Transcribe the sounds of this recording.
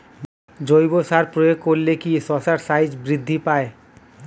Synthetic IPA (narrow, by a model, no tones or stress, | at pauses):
d͡ʑojbosaɾpɾojoɡ̚koɾlekisɔsaɾsajd͡ʑbɾid̪ʱːipae